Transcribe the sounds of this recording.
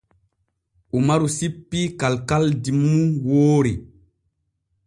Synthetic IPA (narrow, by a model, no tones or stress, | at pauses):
ʔumaɾusipːikalkaldimːuwoːɾi